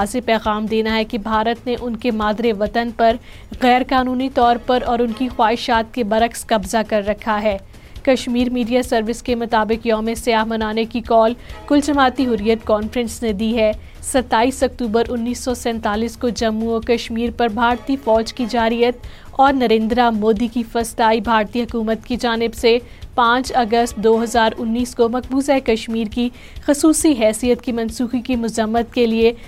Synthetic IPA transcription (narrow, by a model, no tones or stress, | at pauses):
zepɛːɣaːmd̪eːnaɦɛkebʱaːɾət̪neʔʊnkemaːd̪ɾeʋɐt̪ənpɐɾ | ɣɛːɾkaːnuːnit̪ɔːɾpɐɾɔːɾʊnkixwaːɪʃaːt̪̚kebɐɾəxskɐbzakɐɾːɐkʰaɦɛː | kɐʃmiːɾmiːɖijasɐɾʋɪskemʊt̪aːbɪqjɔːmesɐjaːɦmɐnaːnekikɔːlkʊld͡ʒɐmaːt̪iɦʊɾijət̪kɔːnfɾə̃nsned̪iɦɛ | sɐt̪ːaːiːsɐk̚t̪uːbəɾʔʊnːiːsːɔsɛ̃ːnt̪aːliːskod͡ʒɐmːuokɐʃmiːɾpɐɾbʱaːɾt̪ifɔːd͡ʒkid͡ʒaːɾijət̪ | ɔːɾnɐɾẽːnd̪ɾamoːd̪ikifɐst̪aːibʱaːɾt̪iɦɐkuːmət̪kid͡ʒaːnɪbse | pãːt͡ʃɐɡəst̪̚d̪oːɦɐzaːɾʊnːiːskomɐk̚buːzaekɐʃmiːɾki | xɐsuːsiɦɛːsijət̪kimɐ̃nsuːxikimʊzəmːət̪̚kelie